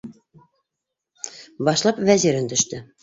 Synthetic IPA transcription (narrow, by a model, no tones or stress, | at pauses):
bɑʃlˠɑpvæziɾɘnt̪ɵ̆ʃt̪ɘ